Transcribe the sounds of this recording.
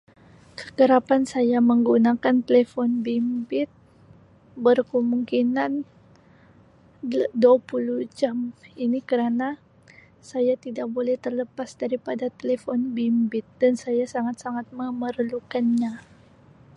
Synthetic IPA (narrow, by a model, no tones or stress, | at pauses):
kə̥kəɾapansajaməŋɡunakant̪elefɔnbimbɪt̪̚ | bərkəmuŋkinan | dapulud͡ʒaminikəɾana | sajat̪idak̚bolɛht̪ərləpasdaɾipadat̪elefɔnbimbɪt̪̚dansajasaŋat̪saŋat̪̚məmərlukanɲa